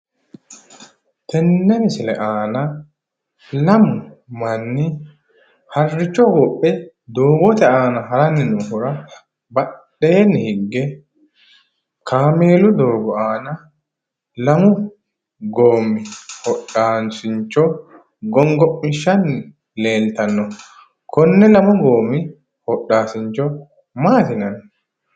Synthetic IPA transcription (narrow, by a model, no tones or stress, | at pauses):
t̪ʰɛnːɛnɪsɪlɛ̰ʔaːnɐ | lɐmʊ | mɐnːɪ | hɐrːɪt͡ʃːɔwɔpʼːɛ | d̪o̞ːɡɔt̪ɛaːnɐɦɐɾɐnːɪnʊhʊɾɐ | bɐɗ | eːnːɪhɪɡːɛ | kʰaːme̞ːlʊd̪oːɡɔaːnɐ | lɐmʊ | ɡoːmːɪhɔɗaːnsɪɲt͡ʃːɔ | ɡɔŋɡɔpʼːmɪʃːɐnːɪ | le̞ːlt̪ɐnːɔ | kʰɔnːɛlɐmʊɡoːmːɪ | hɔɗːaːsɪɲt͡ʃːɔ | maːt̪ɪnɐnɔ